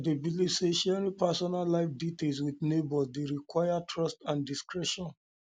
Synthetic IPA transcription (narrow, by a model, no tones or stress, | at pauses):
debilivseʃɛɾĩpɛsɔnalaɪfditels̬wiðnebɔdeɹikwaɪjatʰɹɔstãndiskɹɛʃɔ̃n